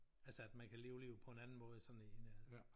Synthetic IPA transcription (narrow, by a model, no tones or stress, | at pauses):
ælsəæd̥mænkʰæle̝ːʊle̝ːʊpʰɒ̽e̝nænn̩mɔ̽ːð̞ˠəsɒ̽dn̩eenæ